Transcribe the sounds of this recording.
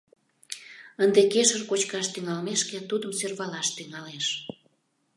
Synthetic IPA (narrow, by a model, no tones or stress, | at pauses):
ənd̪ekeʃərkot͡ɕkɑʃt̪yŋɑlmeʃket̪ud̪əmsørβɑlɑʃt̪yŋɑleʃ